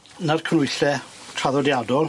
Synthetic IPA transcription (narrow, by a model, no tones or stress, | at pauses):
narkʰənʊjθɛtʰraðɔdjadɔlˠ